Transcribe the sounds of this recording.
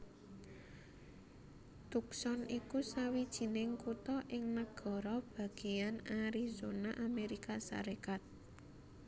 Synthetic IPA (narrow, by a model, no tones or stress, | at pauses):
t̪uksɔnikusawid̥ʒ̥i̤nɪŋkut̪ɔʔɪŋnəɡ̥ɔ̤ɾɔb̥ä̤ɡ̥e̤janaɾizonaʔameɾikasa̰ɾekat̪̚